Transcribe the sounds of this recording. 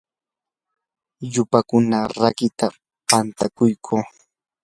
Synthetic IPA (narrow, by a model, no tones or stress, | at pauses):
ʎʊpakʊnaɾakɪt̪a | pant̪akʊjkʰoː